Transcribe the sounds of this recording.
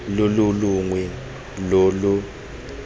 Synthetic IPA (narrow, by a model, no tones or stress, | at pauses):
loluluŋwɛ | lɔlu